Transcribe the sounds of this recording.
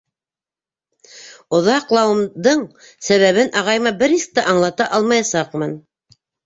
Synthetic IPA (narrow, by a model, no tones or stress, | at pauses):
ŏðɑqlˠɑwɤ̆md̪ɤɴ | sæβæβɘnʔɑʁɑjmɑbɘɾisk̚t̪æʔɑɴlˠɑt̪ɑʔɑlˠmɑjɑsɑqmɤn